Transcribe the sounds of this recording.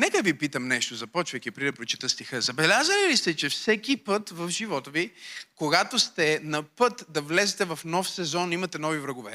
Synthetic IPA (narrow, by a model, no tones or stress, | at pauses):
nɛkəvipit̪əmnɛʃt̪ozɐpɔt͡ʃvəjkʲipɾid̪ɐpɾot͡ʃi̥t̪əst̪ixəzɐbɛlʲazəlilist̪ɛt͡ʃɛfsɛkʲipɤt̪vɐfʒivɔt̪əvikoɡat̪ost̪ɛnɐpɤt̪d̪ɐvlɛzɛt̪ɛvɐfnɔfsɛzɔnimɐt̪ɛnɔvivɾəɡovɛ̰